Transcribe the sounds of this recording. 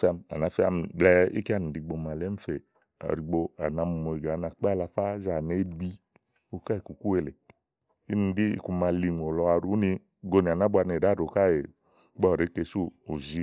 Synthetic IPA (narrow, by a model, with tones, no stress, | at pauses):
fa˧ma̰˨na˨˧˨fa˧m˨blɛ˦˧ḭ˦ki˦a˦˧ni˨di˧ɡ͡bo˧ma˨le˨˦m̩˦fe˨ | a̰˨ɾi˨ɡ͡bo˧a̰˨na˧m˧˨mo˨i˨ɡa˨˦na˧˨k͡pa˦˨la˧fa˦za˨ne˨˦bi˦˧ | o˧ka˦e˨ku˨ku˦e˧˨le˨ | i˦ni˨di˦ḭ˧˨ku˧ma˧li˧ŋ˨o˨lɔ˧a˧ɾu˨˦ni˧ | ɡo˧ni˨a˨na˦bʷu˧˦a˧ne˨da˨˦ɾo˨ka˦˨e˨ | k͡pɔ˦˨ɾe˨˦ke˧˨suː˦˨zi˦